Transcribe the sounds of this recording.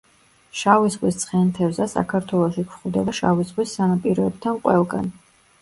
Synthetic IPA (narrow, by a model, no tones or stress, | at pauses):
ʃavizʁʼwist̪sʰʼχɛnt̪ʰɛvzasa̰kʰaɾt̪ʰwɛlˠɔʃikʰχud̪ɛbaʃa̰vizʁʼwisːanapʼiɾɔɛb̚t̪ʰanqʼwɛlˠɡa̰n